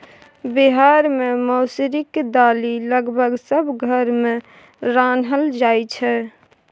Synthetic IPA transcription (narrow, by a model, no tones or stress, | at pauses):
biɦaɾmẽmɔːsɾɪkd̪aːliləɡbʱəɡsəbɡʱəɾmẽ | ɾaːnɦəld͡ʒaːjt͡ʃʰɛ